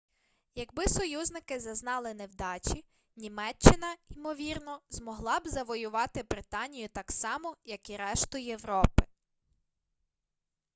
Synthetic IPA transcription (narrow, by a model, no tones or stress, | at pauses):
jɐɡbɪsɔjuznɪkɪzɐznɑlˠɪnewd̪ɑt͡ʃʲi | nʲimɛt͡ʃːɪnɐimɔʋʲirnɔzmɔɦlˠɑbzɐʋɔjʊʋɑt̪ɪbɾɪt̪ɑnʲijʊt̪ɑksɑmɔjɐkiɾɛʃt̪ʊjeʋɾɔpɪ